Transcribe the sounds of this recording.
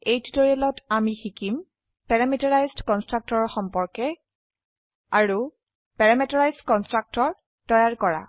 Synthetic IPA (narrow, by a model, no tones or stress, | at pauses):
ejtitoɹialɔtamixikim | pɛɹamitɔɹajzdkɔnstɹak̚tɔɹɔɹxɔmpɔɹkɛ | aɹu | pɛɹamɛtɔɹajzdkɔnstɹak̚tɔɹ | tɔjaɹkɔɹa̰